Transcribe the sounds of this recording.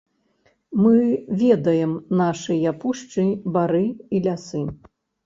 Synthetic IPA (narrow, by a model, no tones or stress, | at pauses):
mɨvʲɛd̪ɐjɛmnaʂɨjapuʂt͡ʂɨbaɾɨilʲasɨ